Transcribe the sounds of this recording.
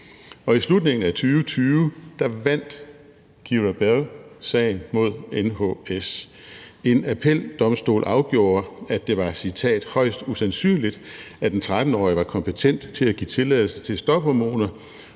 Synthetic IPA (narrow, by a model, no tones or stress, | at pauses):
ɒ̽islud̥ne̝ŋn̩æt͡sʰyːʊət͡sʰyːʋd̥ɑ̈ʋæn̰d̥ | ɡ̥iʁæb̥elsɛ̰ɪn̩mo̝ð̞̰ˠenhoes | e̝næpʰel̰d̥ɒ̽msd̥o̝̰ːlʔɑ̈ʊɡ̥jo̝̰ːɐæd̥e̝ʋɑ̈sit͡sʰɛ̰ːd̥hɒ̽ɪ̰sd̥usænsy̰ːnlid̥ | æd̥ent͡sʰʁad̥n̩ɒ̰ːiʋɑ̈kʰɒ̽mpʰet͡sʰen̰d̥t͡sʰe̝læɡ̥ḭːt͡sʰe̝lɛðˠl̩sət͡sʰe̝lsd̥ɒ̽b̥hɒmo̝̰ːnɐ